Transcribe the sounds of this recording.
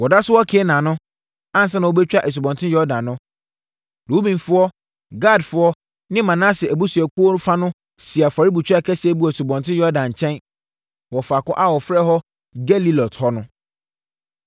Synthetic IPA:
wɔ˨da˦sʊ˦wɔ˦kʰɪ˨˦ɛ˦nã˨nʊ̃˦ | ã˦n̩˨s̬ɛ˦nã˨wo˦bɛ˦t͡ɕᶣa˦ʔɛ˨s̬u˨bɔ̃˨ntʰɪ̃˦jɔ˦dã˨nːʊ̃˦ | ɾu˨˦u˦bĩ˨nfʊ˦ɔ˦ | ɡa˦˨dfʊ˦ɔ˦ | nɪ̃˦mã˨nã˦sɪ˨æ˨bu˦su˨ɛ˨ku˦o˦fa˦nʊ̃˦ | si˨a˨fa˨ɾi˦bu˨t͡ɕᶣa˦˨kʰɛ˦sɪ˨˦ɛ˦bu˦a˨su˨bɔ̃˨ntʰɪ̃˦jɔ˦dã˨ɲ̩˨t͡ɕʰɛ̃˦n | wɔ˨fa˨kɔ˦ʔa˦wɔ˨fɾɛ˦ɦɔ˦ | ɡɛ˦li˦lɔ˨thɔ˦nʊ̃˦

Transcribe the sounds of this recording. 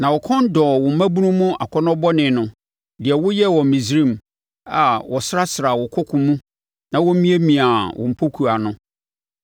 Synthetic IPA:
nã˨wɔ˨kʰɔ̃˦n˦dɔː˨wɔ̃˨m̩˨˦mæ̃˦bu˦nũ˦mʊ̃˦a̰˨kʰɔ˦nɔ̃˦bɔ˦nɪ̃˨nʊ̃˨ | dɪ˨ɛ˨wʊ˦jɛ˦wɔ˨mĩ˨zɾĩ˦˨m˨ | a̰˨wɔ˨sɾa˦sɾa˨wɔ˨kʰɔ˦kʰʊ̃˨mũ˦ | nã˨wɔ˦m˦mĩ˦e˦mĩ˨a˨wʔɔ̰̃˨m̩˨pʰo˦kʰu˨a˨nʊ̃˦

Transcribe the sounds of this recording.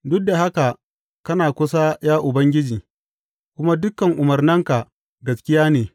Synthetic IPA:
dʊ˦k̚da˨ha˦ka˨ | kɐ˦naː˨kʷʊ˦sa˦jaː˦ʔʊ˨bɐ˦ŋɡʲɪ˦d͡ʒiː˨ | kʷʊ˦ma˦dʊ˦kːɐ˨ŋʔʊ˨mɐ˨rnɐ˦ŋka˨ | ɡɐ˨skʲɪ˦jaː˦neː˨

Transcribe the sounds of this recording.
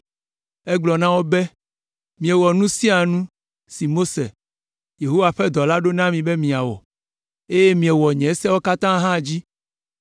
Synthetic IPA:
ɛ˦ɡ͡blɔ˨nã˦wo˦be˦ | mĩ˨ɛ˨wɔ˨nũ˦sĩ˦a˨nũ˦ | si˨mo˦sḛ˨ | je˨ɦo˦wa˨ɸɛ˦d̪ɔ˨la˦ɖo˦nã˦mĩ˨be˦mĩ˨a˨wɔ̰˨ | e˦je˦mĩ˨ɛ˨wɔ˨ɲɛ̃˨˦sɛ˦wo˦ka˦t̪ã˦ɦã˦˨d͡ʑi˦

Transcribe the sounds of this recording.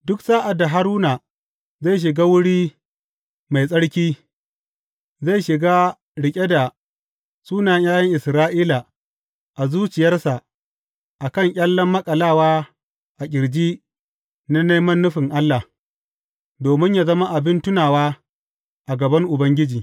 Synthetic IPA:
dʊ˦ksaː˦ʔa˨da˨ɦa˦ɾuː˦na˨ | za˦˨jʃ̬ɪ˨ɡaː˦wʊ˦ɽiː˦ | ma˨jsʼɐ˦ɽkʲiː˦ | za˦˨jʃɪ˨ɡaː˦ | ɽɪ˨kʲʼe˦da˨ | suː˦na˨jjaː˦jɐ˦ŋʔɪ˨sɾaː˦ʔiː˦la˨ | ʔa˨zuː˦t͡ʃɪ˨jɐ˦rsa˨ʔ | ʔa˨kɐ˦˨ŋkʲʼɐ˦lːɐ˦mːɐ˦kʼɐ˨laː˦˨waː˦ | ʔa˨kʲɪ˨ɽd͡ʒiː˦ | na˦neː˦mɐ˦nːʊ˦ɸɪ˨ŋʔa˦lːa˨ | doː˨mɪ˦ɲjaː˦zɐ˦ma˦ʔa˨bɪ˦ntʊ˦naː˨waː˦ | ʔa˨ɡɐ˨bɐ˦ŋʔʊ˨bɐ˦ŋɡʲɪ˦d͡ʒiː˨

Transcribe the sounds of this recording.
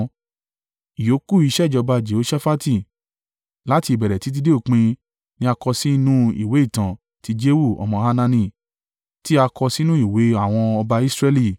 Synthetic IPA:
i˨jo˨˦ku˦˨i˧˦ʃɛ˦˨d͡ʒɔ˧ba˧d͡ʒe˨o˨˦ʃa˦fa˦ti˦˨ | la˦ti˧˨bɛ˨ɾɛ˨ti˨˦t̬i˧de˦o˦˨k͡pĩ˧ | nĩ˦a˧kɔ˧si˦nũ˦ḭ˦˨we˨˦i˦˨tã˨ | ti˦d͡ʒe˦wu˦˨ɔ̰˨mɔ̃˧ha˧nã˧nĩ˧˨ | ti˦a˧kɔ˧si˦nũ˦i˦˨we˨˦a˦˨w̃ɔ̃˧ɔ˧ba˧i˦sɾɛ˧li˦˨

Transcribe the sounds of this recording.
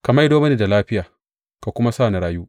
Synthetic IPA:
ka˨ma˦jdoː˦mɐ˦niː˨da˨laː˦ɸɪ˦jaː˨ | ka˨kʷʊ˦ma˦saː˦˨na˨ɾaː˦juː˦ʔ

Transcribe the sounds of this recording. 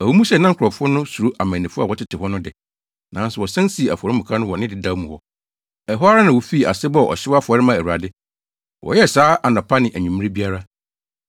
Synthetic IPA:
æ˨wu˦mũ˦sɛ˨nã˦ŋ̩kʰʊ˨ɾɔ˨fʊ˦ɔ˦nʊ̃˦su˨ɾu˦ʔa˨mæ̃˨nːĩ˨fʊ˦a˨wɔ˦tʰɪ˦tʰɪ˨hɔ˦nʊ̃˦dɪ˨ | nã˨˦n˦sʊ˨wɔ˨sɛ̃˦n˦si˨e˨a˨fɔ˨ɾɪ˦mʊ̃˨kʰã˦nʊ̃˦wɔ˨nɪ̃˦dɪ˨da˦mũ˨hɔ˦ | ɛ˨ɦɔ˦a˦ɾa˦nã˨wo˨fi˦˨a̰˨sɪ˦bɔ˦˨ɔ̰˨ɕɪ˦wa˦fʊ˨ɔ˨ɾɪ˦mã˨u˨a˨dɪ˦ | wʔɔ̰˨jɛ˦˨saː˨˦ʔa˨nã˨pʰa˦nɪ̃˨ʔæ˨ɲᶣũ˨mɪ̃˦ĩ˦bi˦a˦ɾa˦

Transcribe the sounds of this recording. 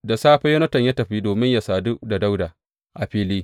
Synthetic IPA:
da˨saː˦ɸɛ˦jɐ˦nɐ˦tɐ˨ɲja˦tɐ˨ɸiː˦doː˨mɪ˦ɲja˨saː˨dʊ˦ʔda˨da˦wdaː˨ | ʔa˨ɸiː˦liː˦

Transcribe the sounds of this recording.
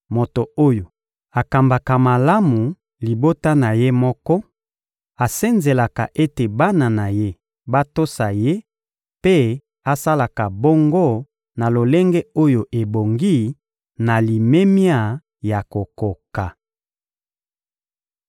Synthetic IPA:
mo˨to˨o˦jo˨ | a˨ka˨mba˨ka˨ma˨la˦mu˨ | li˨bo˦ta˦na˨je˦mɔ˦kɔ˦ | a˨se˦nze˨la˨ka˨ʔe˦te˨ba˦na˨na˨je˦ | ba˦to˦sa˨je˦ | pe˦ | a˦sa˦la˨ka˨bo˦ŋɡo˦ | na˨lo˨le˦ŋɡɛ˦o˦jo˨ʔe˨bo˨ŋɡi˦ | na˨li˨me˦mja˦˨ | ja˨ko˨ko˨ka˨

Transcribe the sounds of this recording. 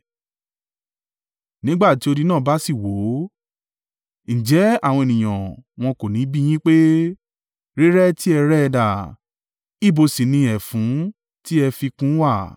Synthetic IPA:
nĩ˦ɡ͡ba˦˨ti˨˦o˧di˧˦nãː˦˨ba˦si˦˨wo˨˦ | n̩˨d͡ʒɛ˨˦a˦˨w̃ɔ̃˧e˨nĩ˨j̃ã̰˨w̃ɔ̃˧ko˨nĩ˨˦bi˦j̃ĩ˦k͡pe˦ | ɾi˦ɾɛ˦ti˦ɛ˧ɾɛ˦ɛ˧da˨ | i˦˨bo˧si˨nĩ˧ɛ˨fũ˨˦ | ti˦ɛ˧fi˧kũ˦wa˦˨

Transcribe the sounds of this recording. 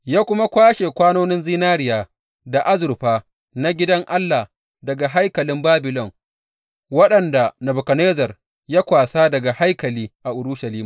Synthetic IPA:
jaː˦kʷʊ˦ma˦kʷaː˦ʃe˨kʷaː˦noː˦nɪ˦nzɪː˦naː˦ɾɪ˦jaː˨ | da˨ʔa˦zʊ˨rɸaː˦ | na˦ɡʲɪ˦dɐ˦ŋʔa˦lːa˨ | dɐ˨ɡa˨ɦa˦jkɐ˨lɪ˦mbaː˦bɪ˨lɔ˦˨ŋ | wɐ˦ɗɐ˨nda˨nɐ˨bʊ˨kɐ˨neː˦zɐ˨r | jaː˦kʷaː˨saː˦dɐ˨ɡa˨ha˦jkɐ˨liː˦ʔa˨ʔʊ˨ɽʊ˦ʃa˨liː˦ma˨

